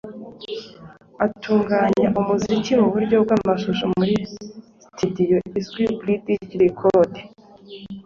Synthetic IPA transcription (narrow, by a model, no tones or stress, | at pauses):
atʰuːŋɡaːɲaʔumuzikimuβuɾɟo̞b̚ɡwaːmaʃuʃomuɾi | studijoizɡwiblidiɟiɾikʰode